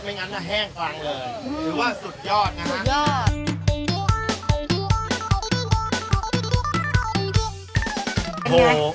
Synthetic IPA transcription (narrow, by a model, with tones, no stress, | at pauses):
ma˥˩jŋaː˧˥na˥˩ɦɛː˥˩ŋkwaː˧ŋlɤː˧jɾɯː˨˦waː˥˩su˨˩t̪̚jɔː˥˩t̪̚na˦˥˨jɔː˥˩ | o˧